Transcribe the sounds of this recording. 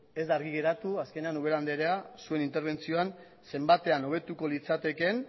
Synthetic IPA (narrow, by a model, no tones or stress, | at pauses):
e̞zd̪aɾɣiɣe̞ɾat̪uaske̞ne̞anuβ̞e̞ɾand̪eɾeasue̞nint̪eɾβ̞e̞nt͡sio̞an | se̞mbat̪e̞ano̞β̞e̞t̪uko̞lit͡sat̪e̞ke̞n